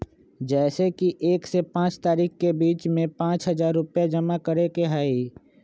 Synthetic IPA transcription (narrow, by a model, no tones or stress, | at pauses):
d͡ʒɛːsekiʔeːksepãːt͡ʃt̪aːɾiːxkebiːt͡ʃmẽpãːt͡ʃɦɐzaːɾːʊpjad͡ʒɐmakəɾekeɦaːi